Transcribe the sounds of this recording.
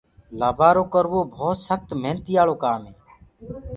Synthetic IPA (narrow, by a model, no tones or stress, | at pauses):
laːbʱaːɾoːkəɾʋoːbʱoːt̪səxt̪meːnt̪iːjaːɭoːkaːmɦeː